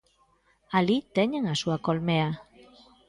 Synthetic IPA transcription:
alit̪eɲeŋasuakolmea

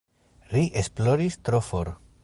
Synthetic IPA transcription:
ɾiʔesploɾist̪ɾofoɾ

